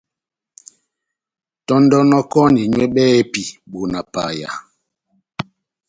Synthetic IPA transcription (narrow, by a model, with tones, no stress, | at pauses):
tɔ˦ndɔ˦nɔ˦kɔ˦ni˨ɲwɛ˦ɓɛ˦ɛ˦pi˨ɓo˨na˨pa̰˨ja̰˨